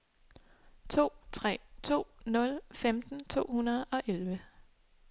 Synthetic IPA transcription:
t͡sʰo̝̰ːt͡sʰʁɛ̰ːt͡sʰo̝̰ːnɔ̽lfemd̥n̩t͡sʰo̝̰ːhunɐð̞̩ˠɒ̽ʔelʋə

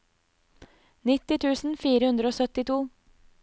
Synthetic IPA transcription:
nɪt̪ɪt̪ʰʉːsn̩fiːɾəhʉnd̪ɾəoːsœt̪ɪt̪ʰuː

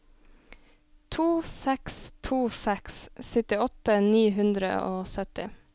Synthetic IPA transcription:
t̪ʰuːsɛkst̪ʰuːsɛkssʏt̪ɪɔt̪əniːɦʉnd̪ɾə̰oːsœt̪ɪ̰

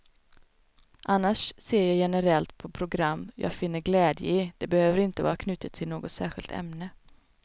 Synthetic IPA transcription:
ʔanːaʂseːɾjɑːjɛnəɾɛlt̪pʰɔpʰɾʊɡɾamːjʔɑ̰ːɡfɪnːəɾɡlɛːd̪jə̰ɪd̪̥ɛbɛhøːvəɾɪnt̪əvɑ̰ːɾakʰnʉːt̪ət̪ʰːɪlnoːɡɔt̪sæ̰ːɾɧɪlt̪ʰɛ̰mnə

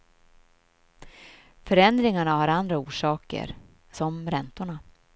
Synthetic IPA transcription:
fœɾɛnd̪ɾɪŋaɳahaɾand̪ɾauːʂɑːkə̰ɾ | sɔmɾɛnt̪ʊɳa

